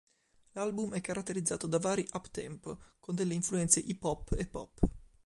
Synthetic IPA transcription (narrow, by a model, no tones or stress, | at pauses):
lalbumɛkːaɾat̪ːeɾid̪za̰ːt̪od̪avaːɾiʔapt̪ɛ̰mpkond̪elːeiɱfluɛnt̪seʔipɔpːepːɔ̰pː